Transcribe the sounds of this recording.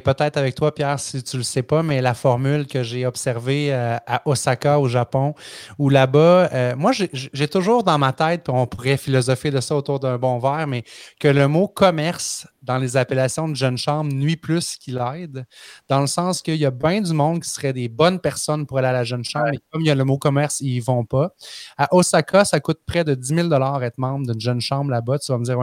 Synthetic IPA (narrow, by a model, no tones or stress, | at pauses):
pət̪ɛɪt̪χavɛk̚t̪wapjæːʁsit̪yləsɛpamɛlafɔʁmylkʲəʒeɔbsɛʁveøaʔɔsakaoʒapɔ̃ulabʌømwaʒeʒʒet̪ʊʒuːʁd̪ɑ̃mat̪ɛɪt̪̚piɔ̃puʁɛfilɔzɔfed̪əsʌot̪uːʁd̪œ̃˞bɔ̃væːʁmɛkələmokʰɔmɛʁsd̪ɑ̃lezapelasjɔ̃d̪əʒœnʃɑ̃bʁnɥiplʏskʲʰilɛɪd̪d̪ɑ̃ləsɑ̃skʲəjabɛ̃d̪zymɔ̃d̪kʲi̥səʁɛd̪ebɔnpɛʁsɔnpuʁalealaʒənʃɑ̃bmekɔmjaləmokɔmɛʁsivɔ̃paaʔosakʰasakʊt̪̚pχɛd̪ədd͡zimild̪ɔlɑːʁɛːt̪χmɑ̃bʁd̪ynʒœnʃɑ̃blabʌt̪yvaməd͡ziːʁwɛ̃